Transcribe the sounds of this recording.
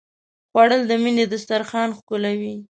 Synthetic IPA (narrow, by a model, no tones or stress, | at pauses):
xwɑɽəld̪əmined̪əst̪aɾxɑnxkʊlawi